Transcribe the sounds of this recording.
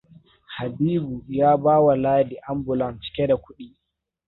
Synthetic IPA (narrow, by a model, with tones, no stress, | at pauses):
ha˨biː˦bu˨jaː˦baː˦wa˨laː˦di˨ʔa˦mbʊ˨lɐ˨nt͡ʃɪ̥˦kʲe˦da˨kʷʊ˦ɗiː˦